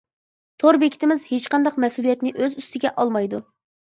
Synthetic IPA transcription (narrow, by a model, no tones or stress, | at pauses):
t̪ʰoɾbekʲʰi̥t̪ʰɪmɪzhet͡ʃqʰɑnd̪ɑqmɛsulˠijɛt̪nɪʔøzyst̪ɪɡʲɛʔɑlˠmɑjd̪u